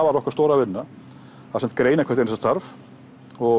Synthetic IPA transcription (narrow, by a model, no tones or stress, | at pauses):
avaɾɔhkaɾst̪oːwɾavɪnːa | aðsɛm̥t̪̚kɾeːjnakʰɛɾt̪ens̬ast̪aɾv | ɔ